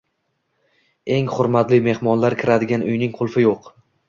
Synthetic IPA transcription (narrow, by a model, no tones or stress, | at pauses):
e̞ŋχʊɾmat̪lɪme̞hmɒnlaɾkʲʰɪɾad̪ɪɡʲanʊjnɪŋqʰʊlˠfɪjoq